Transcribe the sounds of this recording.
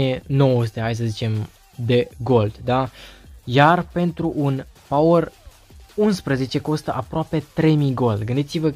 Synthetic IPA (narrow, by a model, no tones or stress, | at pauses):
eno̞wəst̪eajs̬əzit͡ʃe̞m | d̪e̞ɡo̞ld̪d̪ajarpe̞nt̪ɾuʔunpawər | unspɾəze̞t͡ʃe̞ko̞st̪əʔapɾoape̞t̪ɾe̞jmiɡo̞ld̪ɡɨnd̪it̪sivə